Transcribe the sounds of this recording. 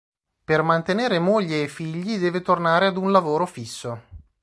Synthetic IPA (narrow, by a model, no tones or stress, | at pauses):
permant̪eneːɾemoʎːeːfːiʎːid̪ɛːvet̪ornaːɾead̪unlavoːɾofisːo